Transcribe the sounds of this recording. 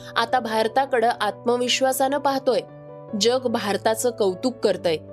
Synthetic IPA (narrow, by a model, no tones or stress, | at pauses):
a̰t̪abʱaɾt̪akəɽəʔat̪̚məʋiɕʋasanəpaɦt̪oj | d͡ʑəɡbʱaɾt̪at͡səːkəwt̪uːkːəɾt̪əj